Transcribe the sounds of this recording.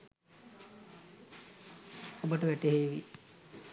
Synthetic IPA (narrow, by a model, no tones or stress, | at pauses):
obəʈəʋæʈeɦeːʋḭ